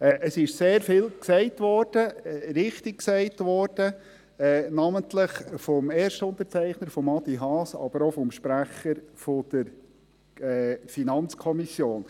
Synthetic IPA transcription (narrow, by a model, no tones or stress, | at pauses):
ɛːʔəsɪʃseːɾfɪlksɛɪtʋɔɾd̥əɾɪχtɪk̚ksɛɪtʋɔːɾd̥ə | ɛnɑməntləχfɔmeːɾʃtəʊnt̪əɾt͡sɛɪχnəɾfɔmɑdiɦɑːsɑ̰b̥əɾɔfɔmʃpɾæχəɾfɔd̪̥əɾ | ɛːfinɑnt͡skʰɔmisjoːn